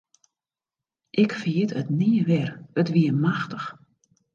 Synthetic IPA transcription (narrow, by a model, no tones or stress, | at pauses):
ʔɪkfəjɪtətniːəʋɛrətʋiəmaxtəx